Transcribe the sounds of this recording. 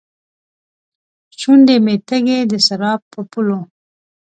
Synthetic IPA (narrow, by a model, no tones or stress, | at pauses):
t͡ʃund̪emet̪əɡed̪əsaɾɑp̚ːəpulo